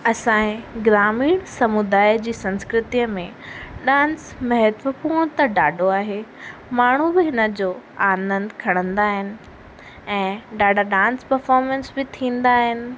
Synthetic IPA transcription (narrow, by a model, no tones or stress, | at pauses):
ɐsãːẽɡɾaːmiːɽ̃sɐmʊd̪aːjd͡ʑiːsɐ̃nskɾɪt̪ijəmẽɗãːns | mɐɦət̪ʋəpuːɽ̃t̪ɐɖaːɖʱoaːɦeːmaːɳ̤̃ubɪɦɪnəd͡ʑoːaːnə̃nd̪kʰɐɽ̃ə̃nd̪aːɦɪnɪ̆ | ɛ̃ːɖaːɖʱaɗãːnspɐɾfɔːɾmɛ̃ːnsbɪt̪ʰĩːn̆d̪aːɦɪnɪ̆